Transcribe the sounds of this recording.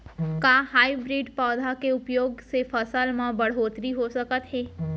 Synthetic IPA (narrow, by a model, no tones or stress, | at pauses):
kaːɦaːibɾiːɖpɔːd̪ʱakeʊpjoːɡsefəsəlmãbɐɽ̤ɦoːt̪ɾiɦosɐkət̪ɦeː